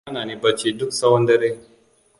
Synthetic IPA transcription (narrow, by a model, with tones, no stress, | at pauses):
a˦naː˨ni˦bɐ˦t͡ʃi˦dʊ˦ksɐ˦wɐ˦ndɐ˦ɾe˦